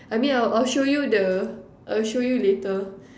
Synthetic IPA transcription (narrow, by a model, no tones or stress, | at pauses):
ajmĩnaʔalʃojudə | ʔalʃojuletə